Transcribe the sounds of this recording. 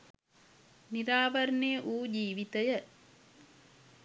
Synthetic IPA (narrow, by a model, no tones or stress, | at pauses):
niɾaːʋɐɾnejʔuːd͡ʒiːʋit̪ɐjɐ